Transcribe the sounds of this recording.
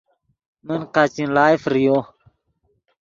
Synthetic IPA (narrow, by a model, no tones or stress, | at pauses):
mənqat͡ɕĩnlaːjfɾijo